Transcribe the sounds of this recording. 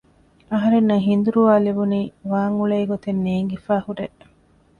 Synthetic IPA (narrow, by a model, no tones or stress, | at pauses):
ɐɦɐɾenːɐɦind̪uɾuʋaːlibuniːʋaːŋuɭɐiɡot̪enːeːŋɡifaːhuɖeʔ